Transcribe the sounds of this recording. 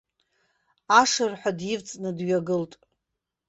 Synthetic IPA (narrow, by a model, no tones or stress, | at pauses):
aʂɨrħʷadjɪvt͡sʼnɨdɥaɡɨltʼ